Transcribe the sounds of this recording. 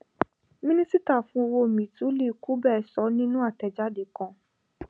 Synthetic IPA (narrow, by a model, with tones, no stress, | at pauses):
mĩ˦nĩ˦si˦ta˦˨fũ˧˦˧wo˧˨mĩ˨˦tũ˨˦le˦˨ku˦bɛː˦˨sɔ˨˦nĩ˦nũ˦a˦˨tɛ˨d͡ʒa˨˦de˨kã˧